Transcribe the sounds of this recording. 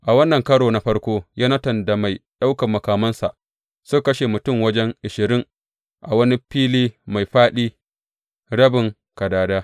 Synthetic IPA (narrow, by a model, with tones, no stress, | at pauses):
ʔa˨wɐ˦nːɐ˨ŋkɐ˦ɽoː˨na˦ɸɐ˦rkʷoː˦jaː˦nɐ˦tɐ˨nda˨ma˨jɗa˦wkɐ˨mːɐ˨kaː˨mɐ˦nsa˨ʔ | sʊ˦kɐ˦ʃe˨mʊ˨tʊ˦˨ŋwɐ˦d͡ʒɛ˦ŋʔɪ˨ʃɪ˨ɾɪ˦ŋ | ʔa̰˨wɐ˦ni˦ɸiː˦liː˦ma˨jɸaː˦ɗiː˦ | ɽɐ˦bɪ˨ŋ | kɐ˨daː˨daː˦